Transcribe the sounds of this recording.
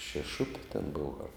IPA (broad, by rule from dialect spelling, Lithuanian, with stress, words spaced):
ʃʲɛˈʃʊpʲɪ tʲɛn ˈboːʋɐ ɐr